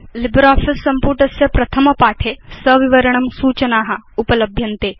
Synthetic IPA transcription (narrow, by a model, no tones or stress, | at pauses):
lɪbɾaːfʰɪsːɐmpuːɾʈɐsjɐpɾɐt̪ʰɐmɐpaːʈʰesɐʋɪʋɐɾɐɳɐmsuːt͡ʃɐnaːɦɐʊpɐlɐbʱjɐnt̪eː